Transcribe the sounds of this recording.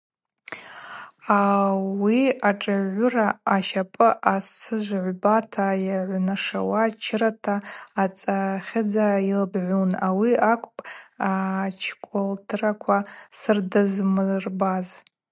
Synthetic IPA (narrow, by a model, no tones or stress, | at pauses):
awiaʈ͡ʂʼɨʕːʷʊraaʃapʼɨʔast͡sʰɨʒʷʕʷbatʰajaʕʷnaʂa̰wat͡ʃʰɪɾatʰaːt͡sʼaχʲɪd͡zailbʕʷunawiakʷʼpʼat͡ʃʰkʷʼoltʰɨrakʷʰasɨrdɨzmɨrbaz